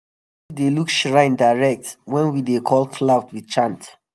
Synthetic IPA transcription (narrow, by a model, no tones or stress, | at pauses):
widelukʃɹãɪ̃ndaɪɹɛk̚twɛ̃nwidekʰɔlkʰladwit͡ʃãnt